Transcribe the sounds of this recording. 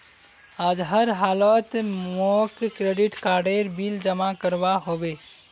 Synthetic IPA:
aːd͡ʒɦəɾɦaːlət̪mokkɾeɖiʈkaːɾɖeɾbild͡ʒəmakəɾbaɦoːbe

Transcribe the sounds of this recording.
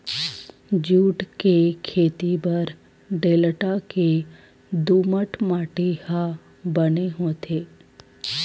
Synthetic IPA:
d͡ʒuːʈkekʰeːt̪ibɐɾ | ɖeːləʈake | d̪uːməʈmaːʈeha | bəneɦoːt̪ʰeː

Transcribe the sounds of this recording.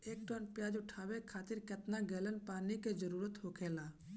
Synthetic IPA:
eːk̚ʈɔːnpjaːd͡ʒʊʈʰaːʋekʰaːt̪ɪɾkət̪naɡeːlənpaːniked͡ʒəɾuːɾət̪ɦoːkʰeːlaː

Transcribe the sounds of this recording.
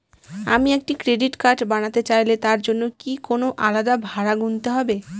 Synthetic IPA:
a̰miek̚ʈikɾeɖiʈkaɾʈbañat̪et͡ɕajlet̪aɾd͡ʑonːokikonoʔalad̪abʱaɾaɡunt̪eɦɔbe

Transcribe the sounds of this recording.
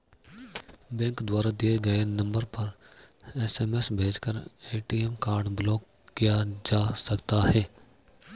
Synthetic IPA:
bẽːŋkd̪waːɾad̪ijeɡɐenɐ̃mbəɾpɐɾ | eːseːmesbʱeːd͡ʒkəɾeːʈiemkaːɾɖbloːkː | ijad͡ʒaːsɐkt̪aɦɛː

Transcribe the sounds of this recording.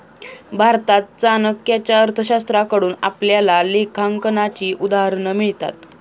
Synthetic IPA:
bʱaɾt̪at̪̚t͡sanəkjat͡ɕjaəɾt̪ʰəɕast̪ɾakəɽuːna̰pljalalekʰaŋkənat͡ɕiːʔud̪aɦəɾɳəmiɭt̪a̰t̪

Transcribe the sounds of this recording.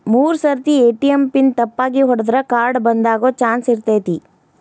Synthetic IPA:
muːɾsɐɾt̪ieːʈijɐmpint̪ɐpːaːɡiɦɔɽɐd̪ɾɐkaːɾɖbɐnd̪aːɡoːt͡ʃaːnsiɾt̪eːt̪i

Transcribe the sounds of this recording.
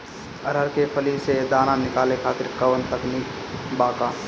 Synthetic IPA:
ɐɾəɾkepʰɐlised̪aːnanɪkaːlekʰaːt̪ɪɾkɐʋənt̪əkniːk | baːkaː

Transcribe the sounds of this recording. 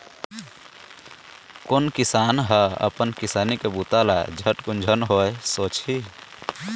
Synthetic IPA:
konkisaːnɦəə̰pənkisaːnikebut̪alaed͡ʒʱəʈkund͡ʒʱənɦoesoːt͡ʃi

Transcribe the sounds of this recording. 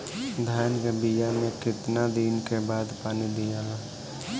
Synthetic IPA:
d̪ʱaːjnɡəbijamẽkɪt̪nad̪iːnkebaːd̪paːnid̪ijã

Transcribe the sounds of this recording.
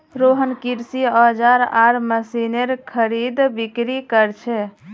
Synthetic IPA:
ɾoɦənkiɾsiɔd͡ʒaɾaɾməsineɾkʰəɾid̪bikɾikəɾt͡ʃʰɛ

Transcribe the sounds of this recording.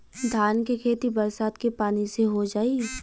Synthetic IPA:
d̪ʱaːnkekʰeːt̪ibɐɾsaːt̪kepaːniseɦod͡ʒaːiː

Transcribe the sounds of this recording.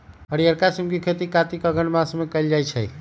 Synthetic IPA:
əɽijəɾkasimɡikʰet̪ikat̪ikəɡʱənmasmekəjld͡ʒajt͡ʃʰəj

